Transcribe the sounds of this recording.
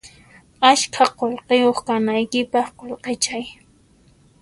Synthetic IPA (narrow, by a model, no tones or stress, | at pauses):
aʃkʰaqolqejoχkanajkɪpɑχqolqet͡ʃaj